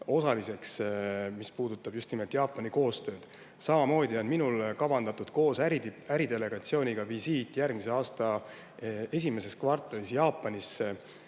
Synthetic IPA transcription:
o̞sɑlise̞ksmispuːd̪̥ut̪ːˑɑb̥just̪nime̞lt̪ˑjɑːpːˑɑniko̞ːst̪ø̞ːd̪̥ | sɑmɑmo̞ːd̪iɑnminulkɑbɑnd̪̥ɑt̪ːud̪̥ko̞ːsæiæɾid̪e̞le̞ɡ̥ɑt̪sio̞ːnʲiɡ̥ɑvisiːt̪ːˑjærɡ̥mise̞ɑːst̪ɑ | e̞s̬ʲime̞se̞skvɑrt̪ˑːɑlisjɑːpːˑɑnisːe

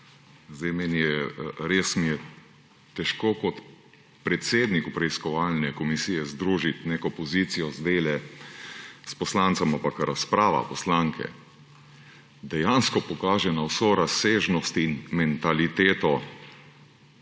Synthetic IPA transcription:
zd̪ɛjmɛnijɛɾeːsmijɛ | t̪ɛʃkoːkɔt̪ | pɾɛt̪seːd̪nikupɾɛiskɔʋaːlnɛkɔmisiːjɛzd̪ɾuːʒit̪neːkɔpɔzit̪sijɔzd̪eːlɛ | spɔslant̪sɔmampakɾʔaspɾaːʋa̰pɔslaŋkʰɛ̰ | d̪ɛjanskɔpɔkaːʒɛnawsoɾaseːʒnɔst̪inmɛnt̪alit̪eːt̪ɔ

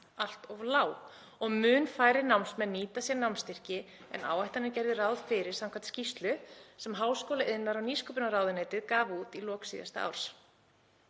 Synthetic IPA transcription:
al̥t̪ɔvlaːw | ɔɣmʏːnfaːjɾɪnawmnsmɛniːt̪asjɛnawmnst̪ɪr̥cɪ | ɛ̰na̰ːwajt̪anɪcɛjɾðɪraːwðfɪɾɪɾ̥sawmkʰvant̪scist̪lʏsɛmɦaːwskoːlaʔɪðnaɾawniːskʏpʏnaɾaːwðɪnɛːt̪ɪðkaːvuːt̪ilɔːksḭːða̰st̪a̰a̰wɾ̥s

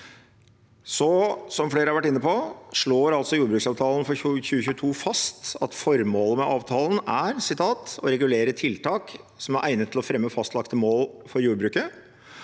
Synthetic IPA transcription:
sɔsɔmfleːɾəhɑɾʋæʈːɪnːəpʰɔʂɭoːɾɑlsɔjuːɾbɾʉːksɑːʋt̪ʰɑːlən̩fɔɾʉçʉːəçʉːt̪ʰuːfɑst̪ɑt̪fɔɾmoːləmɛʔɑːʋt̪ʰɑːlən̩æɾsɪt̪ʰɑːt̪ɔɾɛɡʉleːɾət̪ʰɪlt̪ʰɑːksɔmæɾʔæɪnət̪ʰːɪlɔfɾɛmːəfɑst̪lɑkt̪əmoːlfɔɾjuːɾbɾʉːkə

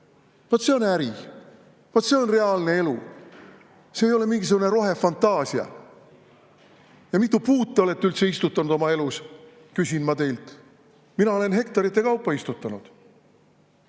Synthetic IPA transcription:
vɑt̪se̞o̞næɾi | vɑt̪se̞o̞nre̞ɑlne̞e̞lu | se̞ːjo̞le̞miŋɡis̬uɡ̥une̞ɾo̞ɦe̞fɑnt̪ːɑːsiɑ̰ | jɑmit̪ːupuːt̪ːˑeo̞le̞t̪ːeylt̪se̞ist̪ut̪ːˑɑnud̪o̞mɑe̞lus | kysʲinmɑt̪e̞jlt̪ | minɑo̞le̞nɦe̞kt̪ɑɾit̪ˑːe̞kɑwpːˑɑist̪ut̪ːˑɑnud̪̥

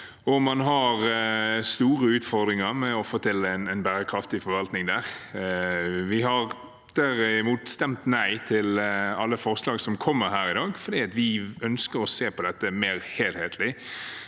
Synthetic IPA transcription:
ɔmɑnɦɑɾst̪uːʁəʉːt̪fɔʁd̪ɾɪŋəɾmɛɔfot̪ʰɪlːəænɛnbæːɾəkʰɾɑft̪ɪfɔɾʋɑlt̪nɪŋd̪æːʁ | ʋɪɦɑʁ | d̪̥æɾɪɪmuːt̪st̪ɛmt̪næɪt̪ʰɪlɑlːəfɔɾslɑːɡsɔmkʰɔmːəɾɦæːɾɪd̪ɑːɡfɔɾd̪iːɑt̪ʋɪœnskəɾɔseːpʰɔd̪ɛt̪ːəmeːɾheːlheːt̪ʰlɪ

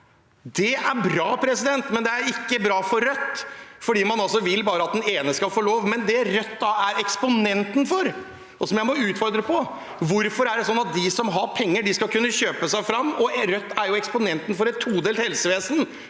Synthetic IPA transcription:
d̪ɛæɾbɾɑːpʰɾɛsɪd̪ɛnt̪mɛnd̪ɛæɾɪkːəbɾɑːfɔɾːœt̪ːfɔɖiːmɑnɑlsɔʋɪlbɑːɾəɑt̪̚d̪ɛneːnəskɑlfoːloːʋmɛnd̪ɛɾœt̪ːɑæɾɛkspʊnɛnt̪n̩fɔɾ | ɔsɔmjæɪmɔʉːt̪fɔɾd̪ɾəpʰɔ | ʋʊɾfɔɾæɖɛsɔnːɑt̪̚d̪ɪsɔmɦɑɾpʰɛŋːəɖɪskɑlkʉnːəɕøːpəsæɪfɾɑmːɔɾœt̪ːæɾjʊɛkspʊnɛnt̪ən̩fɔɾɛt̪ʰːuːd̪eːlt̪hɛlsəʋeːsn

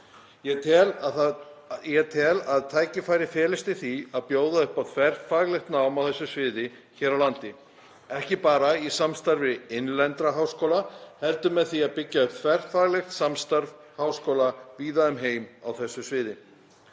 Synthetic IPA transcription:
jɛt̪ɛl | jɛt̪ʰɛːlaðt̪ʰaːjcɪfaːjɾɪfɛːlɪst̪ɪθiaðpjoːwðaʏhpawt̪ʰvɛr̥faːɣlɛxt̪naːwmawθɛsːʏsvɪːðɪ | çɛːɾawlant̪ɪ | ɛhcɪpaːɾaisamst̪aɾvɪɪnlɛnt̪ɾaɦawskoːwlahɛlt̪ʏmɛðθiaðpɪcːaʏpt̪ʰvɛr̥faːɣlɛxt̪samst̪aɾv | hawskowlaviːðaʏmɦeːjmawθɛsːʏsvɪːðɪ

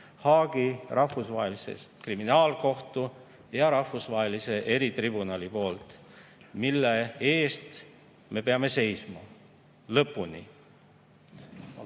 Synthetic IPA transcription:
hɑːɡ̥irʔɑhfusvɑɦelisḛst̪kriminɑːlko̞ht̪u | jɑɾɑhvusvɑɦelise̞ʔe̞ɾit̪ribunɑlipo̞ːlt̪ˑ | milːeeːst̪ | me̞pe̞ɑme̞se̞jsmɑ | lɤpːˑunḭ

